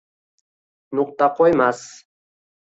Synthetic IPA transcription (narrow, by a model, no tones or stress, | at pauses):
nʊq̚t̪ɑqojmas